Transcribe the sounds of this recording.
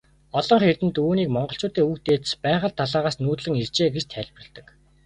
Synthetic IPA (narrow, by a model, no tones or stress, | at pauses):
ɔɮɞ̆ɴχert̪ɘ̆nt̪uːniːkmɔɴɢɞ̆ɬt͡ɕʊːt̪eːukt̪eːt̪spæːχə̆ɮt̪ʰːaɮaːʁaːsnuːt̪ɮɘ̆ŋert͡ɕeːɡet͡ɕt̪ʰæɮʲprə̆ɮt̪ə̆k